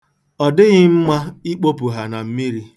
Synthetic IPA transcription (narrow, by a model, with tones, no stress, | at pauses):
ɔ˨dɪ˦ɣɪ˦m̩˦ma˦i˦k͡po˦pu˨ɦa˨na˨m̩˦mi˦ɾi˦